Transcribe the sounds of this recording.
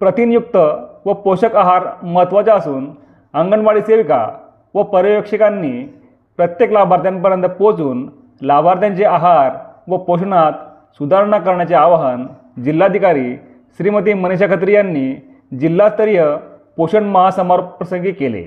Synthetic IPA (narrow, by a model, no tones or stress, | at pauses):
pɾət̪injuk̚t̪əʋəpoɕəkaɦaɾmət̪ʋat͡ɕaəsuːn | əŋɡəɳʋaɭiːseʋka̰ | ʋəpəɾəjokʂikanːiː | pɾət̪jeklabaɾd̪jampəɾjənt̪əpot͡suːn | labaɾt̪jãɲt͡ɕeaɦaɾʋəpoɕəɳat̪̚ | sud̪ʱaɾəɳakəɾɳjat͡ɕeaʋaɦən | d͡ʑilːad̪ʱikaɾiː | ɕɾimət̪iːməneɕ̬akʰət̪ɾijanːi | d͡ʑilːast̪əɾijəpoɕəɳməɦasəməɾpɾəsəŋɡiːkelḛ